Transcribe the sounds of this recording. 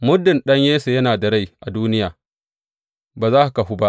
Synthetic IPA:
mʊ˦dɪ˨nɗɐ˦ɲjeː˦se˨jɐ˦naː˨da˨ɽa˦˨jʔa˨duː˦nɪ˦jaː˨ | baː˨zaː˦ʔa˨ka˨ɦu˦ba˦ʔ

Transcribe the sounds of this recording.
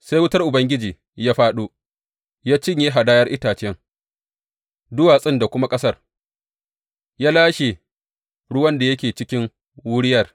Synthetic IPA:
se˦jwʊ˦tɐ˦rʔʊ˨bɐ˦ŋɡʲɪ˦d͡ʒiː˨ | jaː˦ɸaː˦ɗuː˦ | jaː˦t͡ʃɪ˦ɲjeː˦ɦa˨daː˦jɐ˦rʔɪ˦taː˨t͡ʃɪ˦ɛ˦ŋ | dʊ˦waː˨sʼɪ˦nda˨kʷʊ˦ma˦kʼɐ˦sɐ˦r | jaː˦laː˦ʃe˨ | ɽʊ˦wɐ˦nda˨jɐ˦kʲeː˨t͡ʃɪ˦kʲɪ˦ŋ | wʊ˦ɽɪ˦jɐ˨r

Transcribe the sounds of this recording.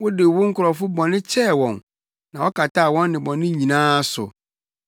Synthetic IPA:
wʊ˦dɪ˨wʊ˦ŋ̩˦kʰʊ˨ɾɔ˨fʊ˦bɔ̃˨nɪ̃˦t͡ɕʰɛ˦˨wɔ̃˨n | nã˨wɔ˦kʰa˨tʰa˦˨wɔ̃˦nːɪ̃˨bɔ̃˨nɪ̃˦ɲĩ˨nãː˦sʊ̰˨

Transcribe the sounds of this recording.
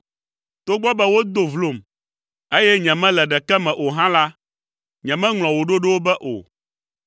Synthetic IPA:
t̪o˦ɡ͡bɔ˦bɛ˦wo˦d̪o˨vlo˨m | e˦jɛ˦ɲɛ̃˨mɛ̃˦lɛ˨ɖɛ˨kɛ˦mɛ̃˨ʔo˨ɦã˦la˦ | ɲɛ̃˨mɛ̃˦ŋl̃ɔ̃˨wo˨ɖo˦ɖɛ˦wo˦bɛ˦ʔo̰˨

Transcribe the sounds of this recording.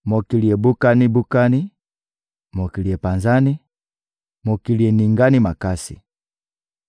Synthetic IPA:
mɔ˨ki˨li˨ɛ˨bu˦ka˦ni˦bu˦ka˦ni˦ | mɔ˨ki˨li˨ɛ˨pa˨nza˦ni˦ | mɔ˨ki˨li˨ɛ˨ni˨ŋɡa˦ni˦ma˨ka˦sḭ˨

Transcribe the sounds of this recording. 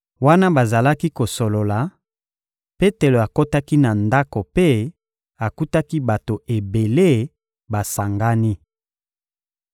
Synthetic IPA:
wa˦na˦ba˨za˨la˦ki˦ko˨so˨lo˨la˨ | pe˦te˨lo˨a˨ko˦ta˦ki˦na˨nda˦ko˨pe˦ | a˨ku˦ta˦ki˦ba˨to˨ʔe˨be˨le˦ | ba˨sa˨ŋɡa˦ni˦

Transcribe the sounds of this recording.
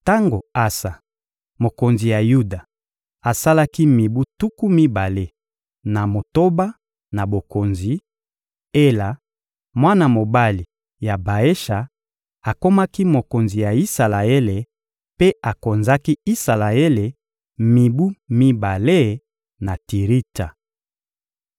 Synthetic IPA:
ta˦ŋɡo˨a˦sa˨ | mo˨ko˨nzi˨ja˨ju˦da˨ | a˨sa˦la˦ki˦mi˨bu˦tu˦ku˦mi˦ba˨le˦ | na˨mo˨to˦ba˦ | na˨bo˨ko˨nzi˨ | e˦la˨ | mwa˦na˨mo˨ba˦li˨ | ja˨ba˨e˦ʃa˨ | a˨ko˦ma˦ki˦mo˨ko˨nzi˨ja˨i˦sa˨la˨e˦le˨ | pe˦a˨ko˨nza˦ki˦i˦sa˨la˨e˦le˨ | mi˨bu˦mi˦ba˨le˦ | na˨ti˨ʁi˦ta˨

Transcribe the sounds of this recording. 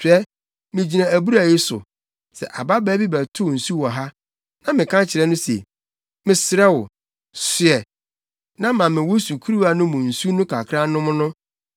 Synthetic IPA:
tʰᶣɛ˦ | mɪ̃˨d͡ʑi˨nã˨æ˨bu˦ɾa˨jɪ˦sʊ̰˨ | sɛ̰˨ʔa˨ba˦bæ˦bi˦bæ˨tʰʊ˦˨n̩˨su˦wɔ˨ɦa˦ | nã˨mɪ̃˨kʰã˦t͡ɕʰɪ˨ɾɛ˦nʊ̃˦sḛ˨ | mɪ̃˨sɪ˨ɾɛ˦wʊ˨ | sɪ˨ɛ˨ | nã˦mã˨mɪ̃˨wo˦su˨kʰu˦ɾu˦a˨nʊ̃˦mʊ̃˨n̩˨su˦nʊ̃˦kʰa˨kʰɾã˦nʊ̃˦mʊ̃˦nʊ̃˦

